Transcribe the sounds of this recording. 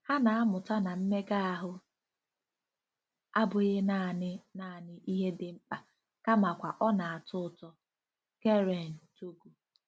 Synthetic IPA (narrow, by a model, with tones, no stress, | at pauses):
ha˦na˨a˦mʊ˨ta˦na˨m̩˦me˦ɡa˦a˨ɦʊ˦ | a˦bʊ˨ɣe˦na˨nɪ˦na˦˨nɪ˦ʔi˦ɦe˦dɪ˨ŋ͡m̩˦k͡pa˨ | ka˦ma˨kʷa˨ʔɔ˦na˨a˨tʊ˦˨tɔ˦ | ke˦ɾe˨n̩˨to˦ɡu˨